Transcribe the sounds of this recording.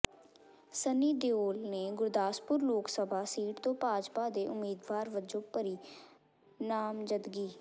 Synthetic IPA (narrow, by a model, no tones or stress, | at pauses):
səniːd̪eoːlneːɡʊɾd̪aːspʊɾloːksəbʱaːsiːʈt̪õːpaːd͡ʒpaːd̪eːʔʊmiːd̪ʋaːɾʋəd͡ʒõːpəɾiː | naːmd͡ʒəd̪ɡiː